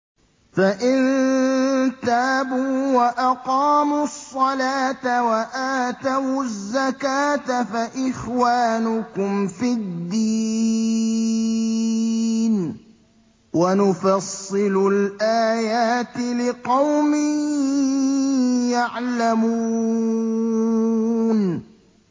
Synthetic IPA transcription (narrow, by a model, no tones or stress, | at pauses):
faʔɪn | t̪aːbuːwaʔɑqɑːmʊsˤːɑlaːt̪awaʔaːt̪awzːakaːt̪afaʔɪxwaːnʊkʊmfɪd̪ːi | n | wanʊfɑsˤːɨlʊlʔaːjaːt̪ɪlɪqɑwmɪ | jaʕlamu | n